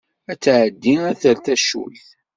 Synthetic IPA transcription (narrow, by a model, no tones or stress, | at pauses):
æt͡sːʕəd̪ːinæθəlθæʃṵlθ